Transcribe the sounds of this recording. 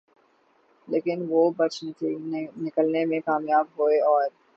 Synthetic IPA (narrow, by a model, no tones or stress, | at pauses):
leːkɪnʋobɐt͡ʃnt̪inɪkəlnemẽkaːmjaːbɦoːeɔːɾ